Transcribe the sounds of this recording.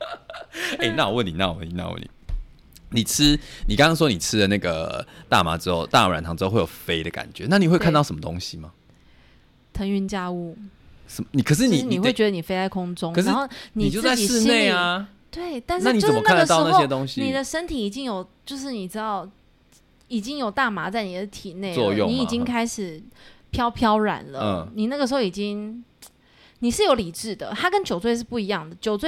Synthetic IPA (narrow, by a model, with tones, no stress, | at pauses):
e˥˧na˥˧o˨˩wə˥˨ni˨˩na̰˥˧˨wə̰˥˨ni˨na̰˥˩wə̰˥˩nḭ˨˩ | ni˨˩ʈ͡ʂ̩ʰ˦˥ni˨˩kɑ˥ŋɑ˥ŋʂ̬wɔ˥ni˨˩ʈ͡ʂʰɻ̩˦d̪ə˨na˥˩ɡə˩t̪a̰˥˩ma̰˨˥˦ʈ͡ʂɻ̩˥xo˥˧ʊt̪a˥˧˨a̰˨nt̪ʰɑ˧˥ŋʈ͡ʂ̩˧˥o˥˧wjo˨˩fe˦ɪd̪ə˨ka̰˨˩nt͡ɕɥɛ̰˨˦na˥˩ni˨xwe˥˧kʰnt̪ɑ˥˩ʊʂə˦mə˦t̪o̰˥ŋɕi˨ma˨ | t̪ʰə˧˥ŋy˧nt͡ɕja˥˧u˥˩ | ʂə˨˦mni˨˩kʰə˨˩ʂ̬ɻ̩˥˨ni˨˥˩n˨i˨xwt͡ɕɥɛ˧˦d̪ə˧ni˨˩fe˥ɪt͡sa˥˩ɪkʰʊ˥ŋʈ͡ʂʊ˥ŋkə˨˩ʂxo˥˩ʊni˨˩t͡ɕjo˥˧t͡sa˥˧t͡ɕi˨ʂɻ̩˥˧ne˥˨˩ɪa˨ | t̪we˥˩ɪt̪a˥˧nʂa˥˨ni˨˥ʊə˥mə˥k̪ʰa˥˧ɡə˩t̪̩˥˧na˥xɕjɛ˦t̪ʊ˧˦ŋɕi˧ni˨˩d̪ə˨ʂə˥nt̪ʰi˨˩i˨˩t͡ɕi˦ŋjo˨˩ʊt͡ɕjo˥˧ʊʂ̬ɻ̩˥˩ni˨˩ʈ͡ʂɻ̩˥t̪ɑ˥˩ʊ | i˨˩t͡ɕi˦ŋjo˨˩ʊt̪a˥˩ma˧˥t͡sa˥˩ɪni˨˩d̪ə˦t̪ʰi˨˩ne˥˩ɪwɔə˥˧jʊ̰˨ni˦i˨˩t͡ɕi˦ŋkʰa˥ɪʂɻ̩˨˩pʰjɑ˥ʊpʰjɑ˥ʊɻa̰˨˩nlə̰˧ni˨˩na˥˩ɡə˩ʂ̬ɻ̩˧xo˥˩i˨˩t͡ɕi˦ŋ | ni˨˩ʂɻ̩˥˩jo˧˥ʊli˨˩ʈ͡ʂɻ̩˥˩d̪ə̰˩t̪ʰa˥kə˥˦nt͡ɕjo˨˩ʊt͡swe˥˧ʂ̬ɻ̩˥˧pu˥˩i˧˦jɑ˥˩ŋd̪ə˩t͡ɕjo˨ʊt͡swe˥˩